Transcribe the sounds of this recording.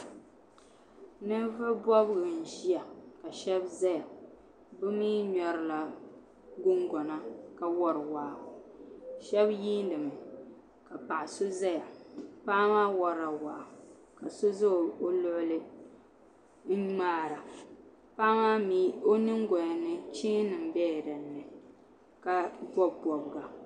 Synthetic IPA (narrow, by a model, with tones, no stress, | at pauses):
nɨ˦vɨ˦bɔ˦bɡɨ˨n̩˨ʒi˦a˨ka˨ʃɛ˦bza˦ja˨ | bɨ˦miː˦ɲɔ˨ɾɨ˦la˨ | ɡʊ˦ŋɡɔ˨na˦ka˨wɔ˦ɾɨ˨waː˨ | ʃɛ˦bjiː˦n˦dɨ˨mɨ˨ | ka˨pa˨ʔɪ˨so˦za˦ja˨paː˦maː˦wɔ˦ɾa˨waː˨ | ka˨so˦zɨ˦˨o˦lʊ˦ʔʊ˦lɨ˦ | maː˦ɾa˨ | paː˦ma˦mi˦o˦nɨ˦ŋɡɔ˨ja˨nɨ˦t͡ʃiː˦nɨ˨m̩˦bɛ˦˨ɾɨ˨nːɨ˨ | ka˦bɔ˦bbɔ˨bɡa˨